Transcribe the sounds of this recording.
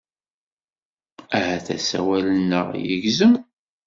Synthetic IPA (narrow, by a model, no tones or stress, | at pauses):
æhæθæ̰sæ̰wælənːə̰ʁjə̰ʝzəm